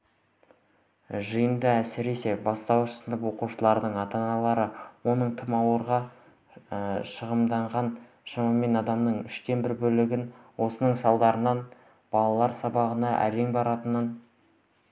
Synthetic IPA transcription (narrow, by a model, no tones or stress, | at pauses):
ʒəjəmd̪əæsɪɾe̞se̞bɑst̪ɑwəʃə̥sənd̪əpwo̞quʃəlˠɑɾd̪əɴɑt̪ɑnɑlˠɑɾəwo̞nəɴt̪ʰɪmɑwəɾʁɑ | ʃəʁəmd̪ɑɴʁɑn | ʃɑmɑme̞nɑd̪ɑmd̪əɴʏʃt̪e̞nbɪɾbɵlɪɡʲɪnwo̞sənəɴsɑlˠd̪ɑɾənɑn | b̥ɑlˠɑlˠɑɾsɑbɑʁənɑʔæ̰ɾe̞ŋbɑɾɑt̪ənən